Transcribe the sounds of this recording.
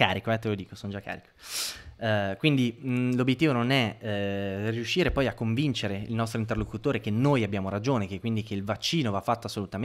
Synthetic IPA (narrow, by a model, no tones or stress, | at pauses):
kaːɾikoɛt̪elod̪iːkosonod͡ʒakːa̰ːɾiko̥ | ɛkwind̪ilobjet̪ːiːvononɛ | riuʃːiːɾepɔjakːoɱvint͡ʃeɾeḭlnɔst̪ɾoint̪̬erlokut̪oːɾekenːoːjabjaːmoɾad͡ʒoːnekekːwind̪ikeilvat͡ʃːiːnovafːat̪ːoasːolut̪am